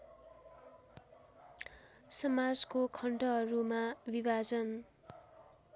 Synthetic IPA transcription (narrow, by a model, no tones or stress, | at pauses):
sʌmad͡zkokʰʌɳʈʌɦʌɾumabibad͡zʌn